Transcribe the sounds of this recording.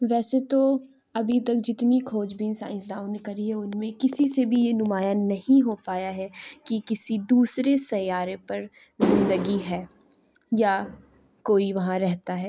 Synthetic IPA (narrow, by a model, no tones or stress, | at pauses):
ʋɛːset̪o | ɐbʱit̪ɐk̚d͡ʒɪt̪nikʰoːd͡ʒbiːnsa̰ːɪ̃sdãːwnɪkɐɾiɦɛʊnmẽkɪsisebʱijenʊmaːjanɐhĩɦopaːjaɦɛkikɪsid̪uːsɾesɐjːaːɾepɐɾ | zɪ̃nd̪əɡiɦɛː | ja | koːiʋɐɦãɾɛɦt̪aɦɛː